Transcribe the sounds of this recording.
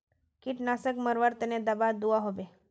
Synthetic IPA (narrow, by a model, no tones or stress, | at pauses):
kiːʈnasəkməɾʋaɾt̪ɛned̪əbad̪uʋaɦoʋe